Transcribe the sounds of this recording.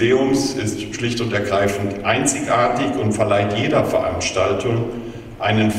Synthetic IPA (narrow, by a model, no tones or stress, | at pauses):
eːʊmsɪstʃlɪçtʊntɛɐɡʁaɪfn̩tʔaɪnt͡sɪçʔaːɐtɪçʊntfɛɐlaɪtjeːdɐfɛɐʔa̰nʃtaltʰʊŋ | ʔaɪnənf